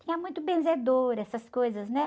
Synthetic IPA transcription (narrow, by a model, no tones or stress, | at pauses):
t̪ĩɲɐmũj̃t̪ʊbẽzed̪oɾɛsɐskojzɐznɛ